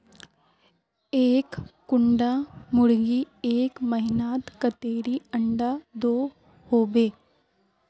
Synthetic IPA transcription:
eːkː | ʊɳɖamʊɽɡieːkmɐɦɪnaːt̪kət̪eːɾiɐɳɖad̪oː | hoːbeː

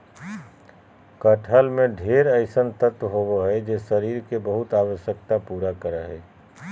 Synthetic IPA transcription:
kəʈʰəlmẽɖʱeːɾəɪsənt̪ət̪ɦoboɦɛd͡ʒesəɾiːɾkebəɦʊt̪aːwəʃjəkt̪apuːɾakəɾəɦɛː

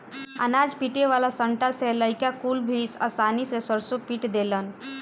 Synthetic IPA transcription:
ə̰nad͡ʒpiʈeʋalasəɳʈaseləikakulbʱisə̰sanisesəɾsupiʈd̪elən

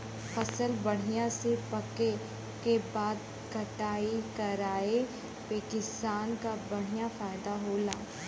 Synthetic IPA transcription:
fɐsəlbɐɽ̤ijãsepɐke | kebaːd̪̚ | kɐʈaːikɐɾaːe | peːkɪst̪aːnkabɐɽ̤ijãfaːɪd̪aɦoːlaː

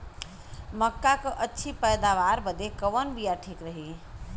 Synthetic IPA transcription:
məkːakəʔətːʃʰipəjd̪aʋaːɾbəd̪ekəʋənbijaʈʰiːkɾəɦi

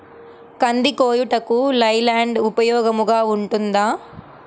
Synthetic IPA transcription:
kɐnd̪ikoːjuʈɐkulɐjlaːɳɖupɐjɔːɡɐmuɡaːuɳʈund̪aː

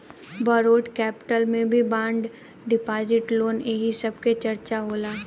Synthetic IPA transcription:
bɐɾoːʈkɛːpɪ̥ʈəlmẽbʱibãːɳɖ | ɖɪpaːzɪʈloːneɦisɐb̚ket͡ʃɐɾt͡ʃaɦoːlaː

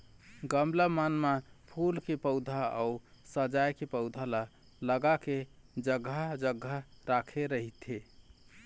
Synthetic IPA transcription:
ɡəmləmanmapʰulkepəʊd̪ʱaa̰usəd͡ʒajkepəʊd̪ʱala | ləɡaked͡ʒəɡʱːad͡ʒəɡʱːaɾakʰeɾəɦit̪ʰe

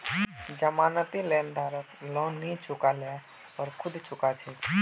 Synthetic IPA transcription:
d͡ʒəmaːnət̪ileːnd̪ʱaːɾət̪lɔ̃ːnːĩt͡ʃʰʊkalɛ | ɔːɾkʰʊd̪t͡ʃʰʊkat͡ʃʰi

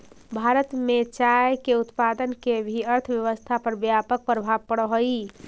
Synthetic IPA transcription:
bʱaɾət̪met͡ʃajkeut̪pad̪ənkebʱiəɾt̪ʰəʋjəʋəst̪ʰapəɾbjapək̚pɾəbʱabpəɽɦəi

